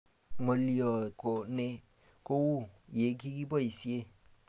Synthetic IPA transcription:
ŋo˨li˦ɔ˨ko˨ne˦ | ko˦wu˦˨je˨˦k̬i˦ki˦bɔ˦i˨si˦e˦˨

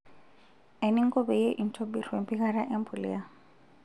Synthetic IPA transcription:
e˨ni˦ŋ˦kɔ˦be˨je˦ʔi˨n̩˨tʰo˦bi˨rwe˨m˨pi˦ɣa˦ɾa˦ʔe˦m˦pʰu˨lḭ˦ja˨

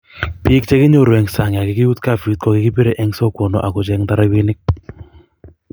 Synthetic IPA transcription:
pɪ˦k̚t͡ʃɛ˦kɪ˦ɲo˦˨ɾwɛ˨ŋsa˨ŋ˨a˨kɪ˨kɪ˦u˦tka˦˨fi˨˦t̚kɔ˦kɪ˦kɪ˦pi˦ɾe˦ʔɛ˦ŋsɔ˦ko˨nɔ̰˨ʔa˨kʊ˨t͡ʃɛ˧ŋta˦ɾa˦wi˦nɪ˦k̚

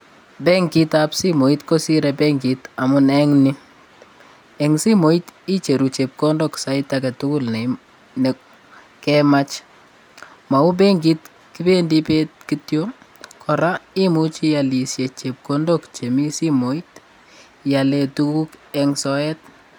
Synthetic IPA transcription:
bɛŋki˦tapsi˦mo˨itko˦si˦ɾɛbɛŋɡita˨mʊnɛŋnɪ | ɛ˨ŋsi˦mo˨iti˦t͡ʃe˨ɾu˨t͡ʃe˨p̚kondɔksa˦itakɛ˨tu˦kʊ˦lnɛ˨ | nɛ | kɛma˦t͡ʃ | ma˨u˦b̬ɛ˦ŋɡi˦t | ki˦be˦ndi˦petkitjo | kʰɔ˨ɾa˦i˦mu˦t͡ʃi˦ja˨li˨sje˨t͡ʃe˨p̚kondokt͡ʃe˨mi˦si˦mo˨it | ja˨lɛ˨tuku˦kɛŋsɔ˦ɛt̚

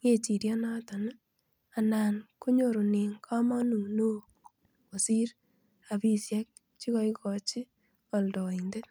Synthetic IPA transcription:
ŋe˨t͡ʃi˨ɾjɔ˦na˦ta˨n˦ | a˨na˨nko˦ɲo˦˨ɾo˨ni˨ŋkʰa˦mɔ˦nu˨no˦ | ko˨si˦ɾ | a˨bi˦sjɛ˦k̚ | t͡ʃi˦kɔ˦i˦kɔ˨t͡ʃi˦ | ɔ˨ldɔ˨i˨nde˦t

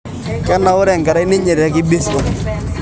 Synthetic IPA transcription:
kɛ˦nːa˨ʊ˦ɾɛ˦˨ŋkɛ˨ɾa˦i˦ne˦ɲe˨ɾɛ˦kɪ˦be˦so˨ŋ

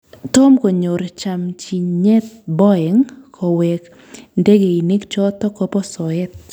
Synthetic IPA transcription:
tɔ˦mko˨ɲo˨ɾt͡ʃa˨mt͡ʃi˨ɲɲɛ˦t̪̚bɔ˦ɛ˨ŋkʰɔ˨wɛ˨k | nde˦ɡe˨i˨ne˦kt͡ʃɔ˦t̪ɔ˦kɔ˦pɔ˦sɔ˨ɛ˦t̪̚

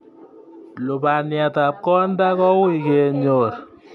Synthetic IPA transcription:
lo˨ba˨nɪ˨a˨ta˨p̚kɔ˦nda˦kɔ˦wi˦˨ke˨ɲo˨ɾ

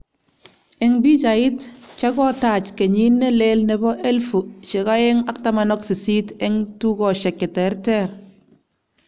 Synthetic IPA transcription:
ɛ˨ŋbi˦t͡ʃa˨ɪ˦tt͡ʃa˦ɡɔ˦ta˨t͡ʃke˨ɲi˦nːe˦le˦lne˨bɔ˦ʔe˦lfu˨ʃe˨ka˦ɛ˦ŋa˦k̚ta˦manɔ˦ksi˨si˦tɛ˦ŋtu˦kɔ˨ʃɛ˨kːɪ˨tɛ˨ɾtɛ˦ɾ

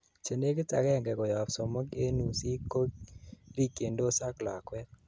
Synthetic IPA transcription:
t͡ʃe˨ne˦kɪ˦ta̰˨kɛ˦ŋɡɛ˨kɔ˨jɔ˨psɔ˨mɔ˦ke˦nu˨si˦kːo˦ɾi˦ke˨ndo˦sa˦kla˨kwɛ˦t̚

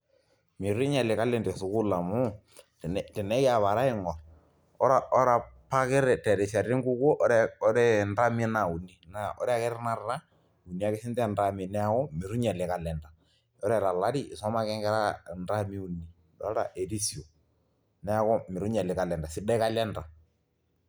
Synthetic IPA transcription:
mɪ˨ɾi˦ɲɛ˨lɪ˨ka˦lɛ˦ndɛ˨sʊ˨ku˦la˨mʊ˦˨ | n˨tɛ˨nɛ˦ja˨βa˨ɾa˦ɪ˦ŋɔ˨r | ɔ˦ɾa˨ʔɔ˦ɾa˨pa˦kɪ˦ɾɛ˨tɛ˨ɾɛ˨sa˨ɾi˦ŋɡu˦kɔ˦ʔɔ˦ɾɛ˦ɔ˦ɾɛ˦nda˦mi˦na˨u˨ni˦na˨ʔɔ̰˦ɾɛ˦a˦kɛ˦ɾɛ˦na˦ra˦ | u˨ni˦a˦kɪ˦sɪ˦ntɛ˦nda˦mi˨nɛ˦a˦kɔ˦mɪ˨ɾu˦ɲɛ˨lɛ˨ka˨lɛ˨nda˨ | ɔ˦ɾɛ˨la˨la˦ɾiː˦˨sɔ˦ma˦kɛ˦ŋɡɛ˦ɾa˦nda˦mi˦u˨nːi˨ | dɔ̰˦ɾa̰˨ʔe˨ɾi˦si˨o˨ | nɛ˦a˦kɔ˦mɪ˨ɾu˦ɲɛ˨lɪ˨ka˦˨lɛ˨nda˨sɪ˦da˦ka˦lɛ˦nda˨

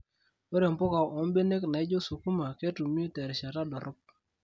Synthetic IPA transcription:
we˦ɾe˨mpʊ˦ka˨ʔɔ˨˦mbe˦ne˦kna˨ɪ˦d͡ʒo˦su˨ku˦ma˨ke˦tu˨m˦o˦tɛ˨ɾʃa˨ta˦dɔ˨ɾʔɔ˦p̚

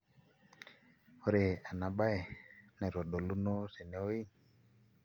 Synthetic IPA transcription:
o˦ɾe˨a˨na˨ɓa˦e˨nɛ˨ɾo˨ɗo˨lu˦no˦se˨ne˨o˦i˦

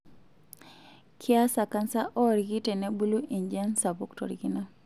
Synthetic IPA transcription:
kʰɪ˦a˦sa˨ka˦nsa˦ʔɔ˦ɾiɡi˦te˨ne˦bu˦lu˦ʔi˨ɲd͡ʒɛ˦nsa˨bo˦ktɔ̰˨ɾi˨ɡi˦na˦

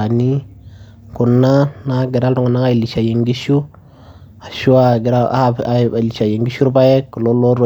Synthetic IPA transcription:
a˨ni˦ | ku˨nːa˦na˦ɡi˨ɾa˦ltu˦ŋu˨na˦ŋa˦i˨li˨ʃa˨je˨ŋɡi˦ʃu˦ | a˨ʃu˦a˨ɡɾa˦a̰˦a˨li˨ʃa˨je˨ŋɡi˦ʃu˦ɾba˦je˦kːu˨lo˦lo˦ɾo˦˨

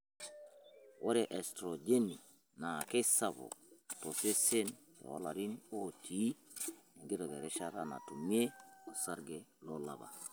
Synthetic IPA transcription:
wʔo˦ɾe˨ʔe˨stɾo˨d͡ʒe˦ni˨ | na˨ke˦sa˦βo̰˨to˨se˦se˦ntḛ˨wo̰˦la˨ɾi˦no˦tʰi˨˦ni˨ŋɡi˦to˨ɡe˨ɾe˦ʃa˦ɾa˦na̰˨tu˨mi˦e˦o˨sa˦ɾɡe˨lo˦la̰˨ba̰˨

